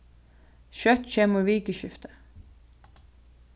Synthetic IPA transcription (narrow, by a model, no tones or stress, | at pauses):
ʃœt̪çɛməɹʋiːɡəʃʏft̪ə̥